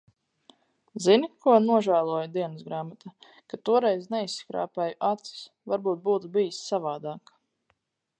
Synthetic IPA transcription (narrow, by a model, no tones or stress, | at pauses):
zinikuɔnuɔʒæːlˠuɔjud̪iɛnɨsɡɾaːmat̪a | kat̪uɔɾɛjznɛisːkɾa̰ːpɛjuʔat̪si̥s | vaɾbuːt̪̚buːt̪ubijisːavaːd̪aːk